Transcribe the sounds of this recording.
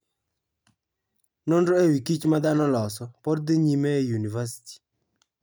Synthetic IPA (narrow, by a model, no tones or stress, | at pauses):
nondoewikit͡ʃmad̪anɔlɔsɔpɔɾd̪iɲimɛjunivasi̥ti̥